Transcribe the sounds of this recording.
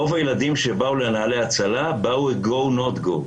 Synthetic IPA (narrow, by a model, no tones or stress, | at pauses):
ovajelad̪imʃe̞baulenaaleat͡salabauet̚ɡownot̪ɡo̰